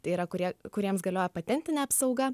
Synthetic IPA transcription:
t̪ɐɪiːɾɐkʊɾʲiɛkʊɾʲiɛmsɡɐlʲoːjɛpɐt̪ʲɛnʲt̪ʲɪnʲɛɐpsɐʊɡɐ

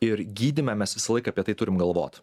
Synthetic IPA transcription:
ɪɾɡʲiːd̪ʲɪmʲɛmʲɛsʋʲɪsɐlˠɐɪkɐːpʲiɛt̪ɐɪt̪ʊɾʲɪmɡɐlˠʋo̰ːt̪

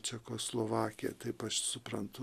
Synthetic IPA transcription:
t͡ʃʲɛkoːslˠoːʋɑːkʲɪjɛ̰t̪ɐɪpɐʃsʊpɾɐnt̪ʊ

